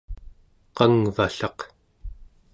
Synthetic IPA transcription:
qɑŋvaɬɑq

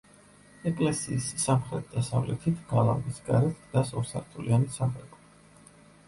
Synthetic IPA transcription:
ɛkʼlɛsiːssamχɾɛt̪̚ʰd̪asavlɛ̰t̪ʰit̪ʰɡalˠamɡisɡaɾɛt̪ʰɡnasɔɾsa̰ɾt̪ʰulianisamɛpʰʼɔ

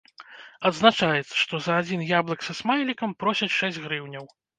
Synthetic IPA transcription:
ɐd̪znat͡ʂajɛt̪sːɐ̥ʂt̪ɔzɐːd͡zʲinjablˠɐksɐsmajlʲikɐmpɾɔsʲɐt͡sʲʂɛzʲd͡zʲɣɾɨwnʲɐw

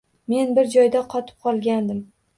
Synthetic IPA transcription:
me̞nbɪɾd͡ʒɒjd̪aqʰɒt̪ʰɪ̥p̚qʰɒlˠɡʲand̪ɪm

